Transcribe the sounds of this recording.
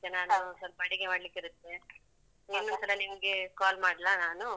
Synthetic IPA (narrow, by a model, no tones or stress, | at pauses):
tɐnaːnusɐlbɐɽiɡemaːɽlikːiɾɯt̪ːe | ninːunt̪ɐlɐnimɐɡekaːlmaːɽlanaːnu